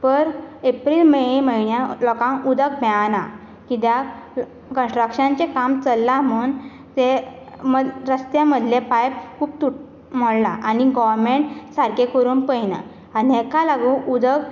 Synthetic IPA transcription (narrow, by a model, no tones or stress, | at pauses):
pəɾepɾilməiməiɳjalɔkãŋud̪ək̚bʱɛana | kit̪ja | kə̃nsʈɾəkɕãnt͡ɕekamt͡səlːamuːn | t̪e | məɾəst̪jãməd̪ʱljẽpajp̚kʰuːp̚t̪uʈ | m̤əɽlaʔaniɡɔʋɾmeɳʈsaɾkekoɾuːnpəjnə̰ | aniɦɛkalaɡũʔud̪ək